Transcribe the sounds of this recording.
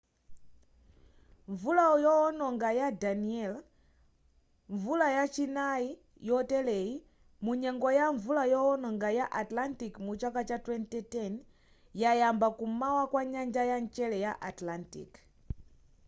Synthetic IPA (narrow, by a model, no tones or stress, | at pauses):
ɱvulaɔjɔɔnɔŋɡajadaniɛl | ɱvulajat͡ʃinai | jɔtɛlɛi | muɲɛŋɡɔjaɱvulajɔɔnɔŋɡajaʔatlantikmut͡ʃakat͡ʃatwɛntɛtɛn | jajambakumawakwaɲand͡ʒajant͡ʃɛlɛjaʔatlantḭk